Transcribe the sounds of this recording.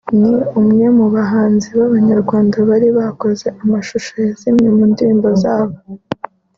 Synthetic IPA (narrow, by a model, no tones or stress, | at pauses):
meumŋe̞muβaɦaːnziβaβaɲaɾɡwaːndaβaɾiβako̞ze̞ʔamaʃuʃojazimɲemuːndiɾiːmbo̞zaːβo